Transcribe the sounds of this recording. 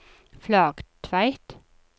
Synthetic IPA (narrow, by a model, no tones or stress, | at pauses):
flɑːɡ̥t̪ʰʋæɪt̪